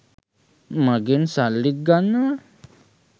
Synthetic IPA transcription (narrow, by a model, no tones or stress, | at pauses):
maɡensalːik̚ɡanːa